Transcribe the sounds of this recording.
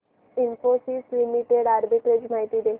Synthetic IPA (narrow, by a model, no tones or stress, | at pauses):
imfosislimiʈeɽaɾbiʈɾed͡ʑm̤aɦit̪id̪e